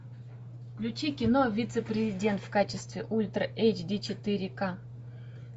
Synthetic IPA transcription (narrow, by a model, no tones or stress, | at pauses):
klʲut͡ɕikʲɪnovʲit̪sɨprʲɪzʲidʲe̞nt̪fkat͡ɕɪst̪vʲɪʔulʲt̪rʔejt͡ɕd̪ʲit͡ɕɪt̪ɨɾʲɪka